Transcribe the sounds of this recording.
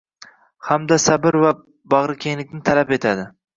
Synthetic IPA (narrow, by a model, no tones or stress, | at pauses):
hamd̪asabɪɾva | bɑʁɾɪkʲʰeŋlɪk̚ʲnɪt̪ʰalape̞t̪ʰad̪ɪ